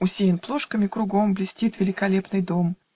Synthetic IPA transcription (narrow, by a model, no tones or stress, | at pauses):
ʊsʲejʲɪnplˠo̞ʂkəmʲɪkɾʊɡo̞mblʲɪsʲtʲit̪vʲɪlʲɪkɐlʲe̞pnɨjd̪o̞m